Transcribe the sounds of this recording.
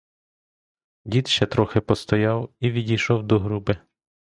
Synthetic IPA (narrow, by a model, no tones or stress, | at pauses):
dʲid̪ʃt͡ʃɛt̪ɾɔxɪpɔst̪ɔjɑwiʋʲidʲijʃɔwd̪ɔɦɾubɪ